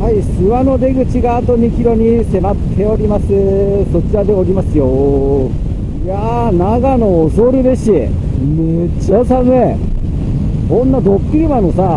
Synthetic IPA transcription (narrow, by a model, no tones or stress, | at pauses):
haisɨβano̞d̪e̞ɡɯ̟t͡ɕiɡaːt̪o̞ɲikʲiɾo̞ɲ̟ise̞mat̪ʰːe̞o̞ɾʲimasɨso̞t͡ɕiɾad̪e̞oɾʲimasɨjo | ja | naɡano̞ːsoɾɯ̟d̪e̞ɕi | me | t͡ɕasamɯe | kõ̞nːad̪o̞kːɯ̟ɾʲimano̞sa